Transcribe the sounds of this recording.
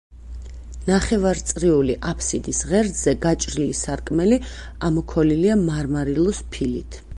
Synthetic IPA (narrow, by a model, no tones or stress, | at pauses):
naχɛvaɾt̪sʼɾiuliʔapʰsid̪isʁɛɾd̪zɛɡat͡ʃʼɾilisaɾkʼmɛli | amɔkʰɔliliamaɾmaɾilˠɔspʰilit̪ʰ